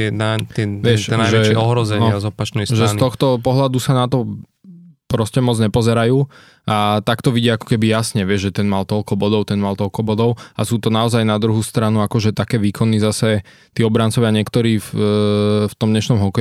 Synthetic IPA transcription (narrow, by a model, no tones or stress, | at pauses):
ɪɛnat̪ɪɛʋɪɛʃɛnaʒɛt͡ʃɛɔɦɾɔzɛɲɪazɔpat͡ʃnɛjsʒɛst̪ɔxt̪ɔpɔɦlad̪usanat̪ɔ | pɾɔscɛmɔd͡zɲɛpɔzɛɾajuː | at̪akt̪ɔʋiɟiaakɔ̥kɛbijasɲɛʋɪɛʒʒɛt̪ɛnmalt̪ɔʎkɔbɔd̪ɔʊt̪ɛnmalt̪ɔlkɔbɔd̪ɔʊa̰suːt̪ɔnaɔzajnad̪ɾuɦust̪ɾanuakɔʒɛt̪akɛːʋiːkʰɔnːizasɛ | t̪iːɔbɾant͡sɔʋɪaɲɪɛkt̪ɔɾiːf | ft̪ɔmd̪ɲɛʃnɔmɦɔkɛ